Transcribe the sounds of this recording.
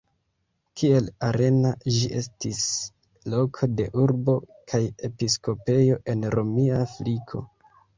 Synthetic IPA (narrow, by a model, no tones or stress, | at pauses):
kʰie̞laɾe̞naʒiʔe̞stis | lo̞kʰo̞de̞ʔuɾbo̞ | kʰaje̞pisko̞pe̞jo̞ʔe̞nɾomiafɾikʰo̞̰